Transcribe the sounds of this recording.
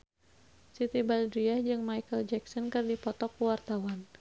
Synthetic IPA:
sit̪ibaldɾiahd͡ʒɨŋmajkəld͡ʒɛksɔnkɨrdipɔt̪ɔkːuwart̪awan

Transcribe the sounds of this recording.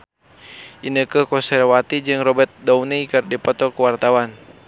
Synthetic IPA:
ʔinəkəkɔnsɛrwat̪id͡ʒɨŋrɔbɛrt̪̚dauneikərdipɔt̪ɔkuwart̪awan

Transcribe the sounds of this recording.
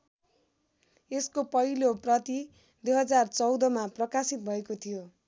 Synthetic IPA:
eskopʌɦiloprʌt̪i | d̪ujɦʌd͡zart͡sʌwd̪ʌmaprʌkasit̪̚bʱʌekot̪ʰijo

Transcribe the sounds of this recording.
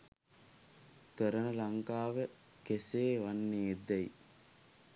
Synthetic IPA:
kəɾənəlaŋkaːʋə | keseːʋanːeːd̪æj

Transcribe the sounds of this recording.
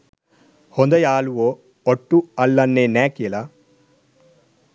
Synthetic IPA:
hond̪ɐjaːluʋoː | oʈːuɐlːɐnːeːnɛːkela

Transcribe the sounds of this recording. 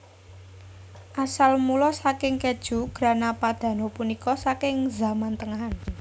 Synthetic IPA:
ʔasalmulɔsakɪŋked̥ʒ̥ṳɡ̥ɾa̤napad̪̥ä̤nopunikɔsakɪŋzamant̪əŋaɦan

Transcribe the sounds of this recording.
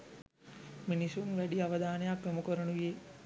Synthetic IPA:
minisunʋæɖiaʋɐd̪aːnəjakʋeməkoɾənuʋje

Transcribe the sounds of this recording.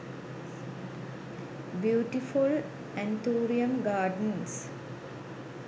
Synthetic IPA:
bjuːʈiful | ɛ̃nʈ̪ʰuːɾiə̃mɡaːɖəns

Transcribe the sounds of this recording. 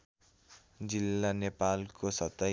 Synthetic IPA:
d͡zilːanepalkosʌt̪ʌ

